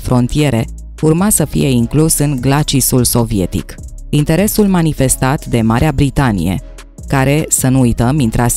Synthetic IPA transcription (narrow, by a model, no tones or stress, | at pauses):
fɾo̞nt̪ije̞ɾe̞ | urmasəfḭje̞iŋklusɨŋɡlat͡ʃisulso̞vie̞t̪ḭk | int̪e̞ɾe̞sulmanife̞st̪at̪d̪e̞maɾeabɾit̪anḭje̞̰ | kaɾe̞sənuːjt̪əmint̪ɾas